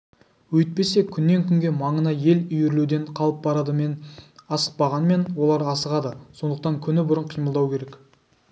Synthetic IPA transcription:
wɵjt̪̚pe̞se̞kʲʰʏnːe̞ŋkʲʰʏŋɡʲe̞mɑɴənɑje̞lʏjɾlud̪e̞ɴqʰɑlˠəp̚bɑɾɑd̪əmenɑsə̥q̚pɑʁɑnəme̞nwo̞lˠɑɾɑsəʁɑd̪əso̞nd̪əq̚t̪ɑŋkʲʰʏnɪbʊɾəɴqʰijməlˠd̪ɑwkʲʰe̞ɾe̞k

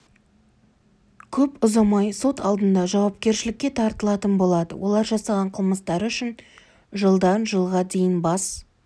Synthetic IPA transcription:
kʲʰɵpʊzɑmɑjso̞t̪ʰɑlˠd̪ənd̪ɑʒɑwɑp̚kʲe̞ɾʃɪlɪkʲːe̞t̪ʰɑɾt̪əlˠɑt̪ənbo̞lˠɑd̪ə̰wʔo̞̰lˠɑɾʒɑsɑʁɑɴqʰəlˠməst̪ɑɾʏʃɪn | ʒəlˠd̪ɑnʒəlˠʁɑd̪e̞jɪnbɑs

